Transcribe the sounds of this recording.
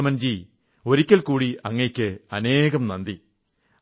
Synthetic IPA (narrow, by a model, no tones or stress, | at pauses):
mɐnd͡ʑi | o̞ɾikʲːɐlkuːɽiɐŋːekʲːɨɐne̞ːɣɐmnɐnd̪i